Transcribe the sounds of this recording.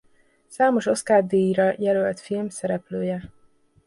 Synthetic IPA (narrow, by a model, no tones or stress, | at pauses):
saːmo̞ʃo̞skaːd̪eːjiɾɒjɛlølt̪filmsɛɾɛpløːjɛ